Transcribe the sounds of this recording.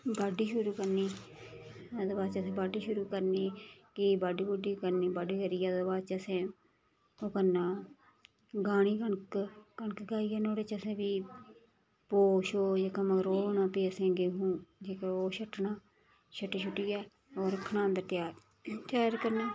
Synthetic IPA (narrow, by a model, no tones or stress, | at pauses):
baːɖiːʃʊɾuːkəɾniː | əd̪əbaːt͡ʃəsẽːbaːɖiːʃʊɾuːkəɾniːkibaːɖiːbʊɖiːkəɾniːbaːɖiːkəɾiːjaːd̪əbaːt͡ʃəsẽː | oːkəɾnaː | ɡaːɽ̃iːkəɳkkəɳkɡaːiːaːnoːɽeːt͡ʃəsẽːʋiː | poːʃoːd͡ʒeːkaməɡəɾoːnãːpeːəsẽːɡeːɦũːd͡ʒekaoːʃəʈːnaː | t͡ʃʰəʈːiːt͡ʃʰʊʈːiːjaː | oːɾəkʰnãːnd̪əɾt̪ɪjaːɾ | t̪jaːɾkəɾnaː